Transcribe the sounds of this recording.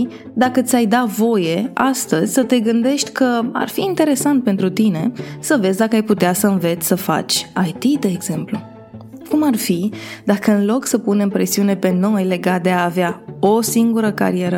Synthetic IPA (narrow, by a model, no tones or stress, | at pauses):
d̪akət̪sʲajd̪avo̞je̞ast̪əzʲsət̪e̞ɡɨnd̪e̞ʃt̪ʲkəa̰rfiːnt̪e̞ɾe̞sant̪̚pe̞nt̪ɾut̪ine̞səve̞zʲd̪akəajput̪easəɨnve̞t̪sʲsəfa̰t͡ʃʲajt̪id̪e̞ːɡz̥e̞mplu | kumarfid̪akəɨnlo̞ksəpune̞mpɾe̞siune̞pe̞no̞jle̞ɡat̪̚d̪e̞aːveao̞siŋɡuɾəka̰ɾie̞ɾə